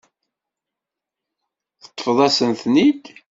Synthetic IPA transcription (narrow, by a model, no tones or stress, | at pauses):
θə̥t̪ˤːfðˤæsənθnid̪